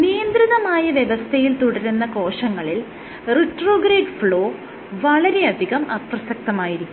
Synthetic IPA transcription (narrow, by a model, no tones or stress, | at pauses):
nijɐnd̪ɾiðɐmaːjɐʋjeʋɐst̪ʰejilt̪uɽɐɾunːɐko̞ːʂɐŋːɐɭil | riʈroːɡɾeːɖfɭo̞ː | ʋɐɭɐɾe̞ɐd̪ʱiɣɐmɐprɐsɐk̚t̪ɐmaːjiɾikʲːum